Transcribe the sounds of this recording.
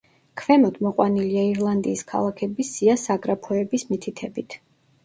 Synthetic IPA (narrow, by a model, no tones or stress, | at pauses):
kʰvɛmɔd̪mɔqʼwaniliaiɾlˠand̪iːskʰa̰lˠakʰɛbisiasaɡɾapʰɔɛbismit̪ʰit̪ʰɛbit̪ʰ